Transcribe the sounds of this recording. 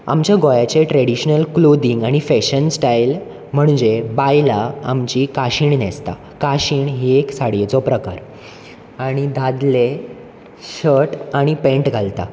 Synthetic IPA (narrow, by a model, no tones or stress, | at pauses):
a̰mt͡ɕjaɡojat͡ɕeʈɾeɽiɕnəlklod̪iŋɡaɽ̃ifeɕənsʈajl | m̤əɳd͡ʑebajlaa̰mt͡ɕikaɕiɳnest̪a̰ | kaɕiːɳɦieksaɽjet͡sɔpɾəkaɾ | aɽ̃id̪ad̪le | ɕəʈaɽ̃ipẽɳʈɡʱalt̪a̰